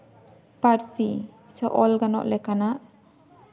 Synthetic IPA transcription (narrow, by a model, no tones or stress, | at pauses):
paɾsi | sɛʔɔlɡanɔ̰ʔlɛkanaʔ